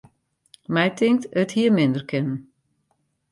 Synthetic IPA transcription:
mɛjtʰɪŋk̚təthiəmɪndərkʰɪnən̩

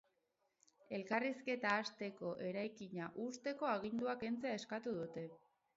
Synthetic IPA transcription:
e̞lkariske̞t̪aːst̪e̞ko̞ʔe̞ɾajkiɲaʔust̪e̞ko̞aɣind̪uake̞nt͡se̞ae̞skat̪uðut̪e̞

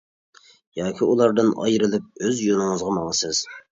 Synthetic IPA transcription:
jɑːkʲʰiulˠɑɾd̪ɨnɑ̰jɾɨlˠɪp̚øzjonɨŋɨzʁɑmɑŋəsɨz̥

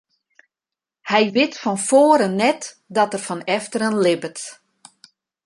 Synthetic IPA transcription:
hɛjʋɪtfɔnfoːəɾənɛt | dɔtərfɔnɛftərənlɪbət

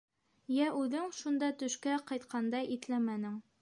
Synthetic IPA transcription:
jæʔʉðɘŋʃund̪ɑt̪ɵ̆ʃkæqɑjt̪qʰɑnd̪ɑjʔit̪læmænɘŋ

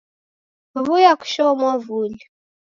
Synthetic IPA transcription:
vujaku̥ʃɔmwɔvuli

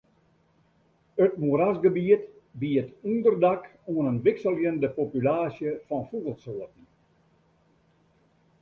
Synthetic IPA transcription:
ətmuəɾasɡəbiət | biətundərdakuənənʋɪksəlˠjəndəpopylaːsjəfɔnfubəlˠtsoətn̩

